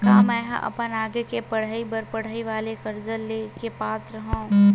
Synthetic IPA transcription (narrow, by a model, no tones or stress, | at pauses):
kaːmɛ̃ːɦʔɐ̰pənaːɡekepɐɽ̤aibɐɾpɐɽ̤aiʋaːlekɐɾd͡ʒəlːekepaːt̪ɾɐɦõ